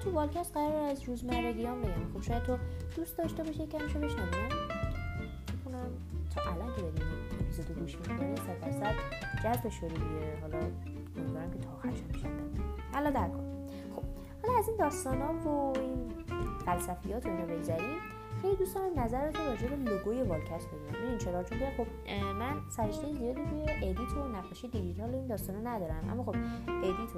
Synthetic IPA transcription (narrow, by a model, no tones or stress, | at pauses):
t̪ʰuvɒlcʰæst̪ɢæɾɒɾæzɾuːzmæɾɾæd̪ijɒmbed̪ænxob̥ʃɔjæd̪t̪ʰːod̪̥uːst̪̚d̪ɒʃt̪ebɒʃicʰæmiʃobe̞ʃnævim | bexunæm | t̪ʰɒʔælɒncʰed̪ɒɾimiuzed̪oɡuːʃmikonisæfælsæt̪d͡ʒæzbeʃoɾid̪iɟeɦɒːlɒ | meɡoɾæmcʰet̪ʰɒːxæɾʃæmbeʃæ̰ænælɒd̪æɾkʰon | xob̥ | hɒlɒæzind̪ɒːst̪ɒːnɒːvoinfælsæfijɒːt̪ʰoinɒbe̞ɟzæɾim | xejlid̪ust̪ɒnæmnæzæɾet̪ʰumrɒːd͡ʒebeloɡojevɒlcʰæsd̪ɒd̪iæmʔinint͡ʃʰeɾɒɾt͡ʃomiæmxo̞b̚ | mænsæɾeʃt̪ejezijɒːd̪it̪ʰujeʔed̪iːt̪ʰonæqɒʃijed̪id͡ʒit̪ʰɒloind̪ɒːst̪ɒːnɒnæd̪ɒːɾæ̰nʔæ̰mːɒːxob̚ed̪it̪ʰo